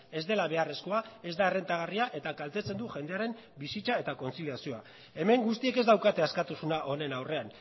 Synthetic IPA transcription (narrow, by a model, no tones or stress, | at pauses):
e̞zd̪e̞laβ̞e̞are̞sko̞ae̞zd̪ae̞re̞nt̪aɣ̞ariaʔe̞t̪akalt̪et͡se̞nd̪uʝe̞nd̪e̞aɾe̞m | bisit͡sae̞t̪ako̞nt͡siliasio̞a | e̞me̞ŋɡust̪ie̞ke̞zd̪awkat̪e̞askat̪usunaʔo̞ne̞nawre̞an